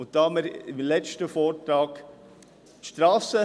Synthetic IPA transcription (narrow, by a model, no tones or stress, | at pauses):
ʊt̚d̥ɑːməɾɪmlɛt͡ʃtəfɔːɾtɾɑːk | tʃtɾɑːsə